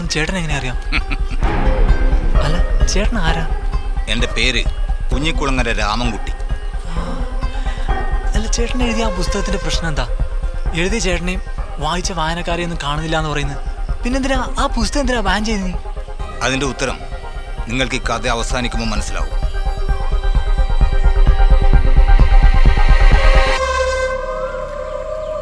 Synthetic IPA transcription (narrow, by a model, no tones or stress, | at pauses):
nːt͡ɕe̞ːʈːɐneŋːɐneɐrijaːm | ɐlːɐt͡ɕe̞ːʈːɐɳɐaːɾaːe̞nde̞pe̞ːɾɨpuɲːɐkːuɭɐŋːɐndeɾaːmɐmkuʈːi̥a | ɐlːɐt͡ɕe̞ːʈːɐɳeɻuðijɐaːpust̪ɐɣɐt̪̬ːinde̞prɐɕnɐme̞nd̪aːe̞ɻuðijɐt͡ɕe̞ːʈɐɳejumʋaːjit͡ɕːɐʋaːjɐnɐkːaːɾjɐme̞nːɨmkaːɳunːilːaenːɨpɐrɐjunːɐðpinːend̪inaaːpust̪ɐɣɐnd̪inaːbaːnt͡ɕe̞jninːi | ɐðinde̞ut̪ːɐɾɐ̰m | niŋːɐɭkikːaːt̪ːeɐʋɐsaːnikʲːumoːmːɐnɐsːila̰ːɣṵm